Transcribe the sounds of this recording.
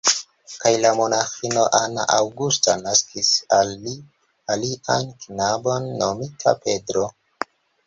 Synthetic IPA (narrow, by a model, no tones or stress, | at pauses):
kajlamo̞naxino̞ʔana̰ʔawɡustanaskʰisali | aliʔanknabo̞nːomitʰa̰pe̞dɾo